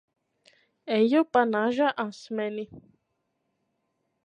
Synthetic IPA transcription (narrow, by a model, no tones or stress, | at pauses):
ejopanaʒaʔãnsmɛni